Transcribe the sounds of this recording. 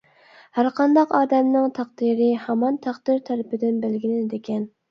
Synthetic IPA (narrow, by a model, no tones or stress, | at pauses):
hæɾqʰɑnd̪ɑqɑːd̪ɛmnɪŋt̪ʰɑq̚d̪iɾɪhɛmɑnt̪ʰæqd̪ɪɾt̪ʰɛɾɪpɪd̪ɪnbɪlɡʲilɪnɪd̪ekʲɛn